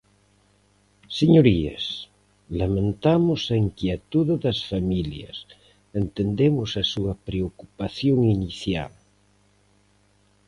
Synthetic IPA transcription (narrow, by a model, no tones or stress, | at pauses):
seɲoɾiḛs | lamẽnt̪amʊsaiŋkjet̪uððɐsfamiljɐ̰s | ent̪end̪emʊsɐsuɐpɾeokupaθjoŋiniθja̰l